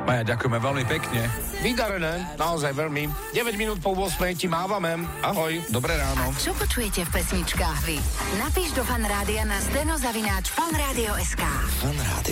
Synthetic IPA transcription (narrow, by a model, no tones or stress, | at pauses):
majaɟakujɛmɛʋɛlmipɛkɲɛ | ʋid̪aɾɛnɛːnaɔzajʋɛʎmi | ɟɛʋɛɟminuːt̪̚pɔʊɔsmɛjcimaːʋamɛm | aɦɔjd̪ɔbɾɛɾaːnɔt͡ʃɔpɔt͡ʃujɛcɛfpɛsɲit͡ʃkaːxʋinapiːʒd̪ɔfanɾaːd̪ianazd̪ɛnɔzaʋinaːt͡ʃfanɾaːd̪iɔɛskaːfanɾa̰ːd̪i